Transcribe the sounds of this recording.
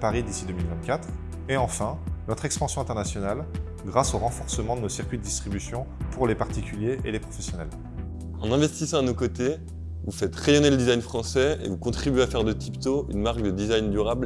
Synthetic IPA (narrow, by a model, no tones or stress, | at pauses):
paʁid̪isid̪əmilvɛ̃nt̪̚kʲat̪χ | eɑ̃fɛ̃nɔt̪χɛkspɑ̃sjɔ̃ɛ̃t̪ɛʁnasjɔnal | ɡʁasoʁɑ̃fɔʁsəmɑ̃d̪ənosiʁkʲɥid̪əd̪ist̪χibysjɔ̃puʁlepaʁt̪ikʲyljeʔelepχɔfɛsjɔnɛ̰l | ɑ̃nɛ̃vɛst̪isɑ̃d̪ənokot̪e | vufɛt̪ʁejɔneləd̪izajnfχɑ̃sɛḛvukɔ̃t̪χibyɥeafɛʁd̪ət̪ʰipt̪oy̰nmaʁkd̪əd̪izajnd̪yʁabl